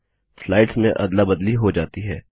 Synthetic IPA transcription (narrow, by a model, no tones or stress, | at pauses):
flaːɪʈsmẽʔɐd̪labɐd̪liɦod͡ʒaːt̪iɦɛː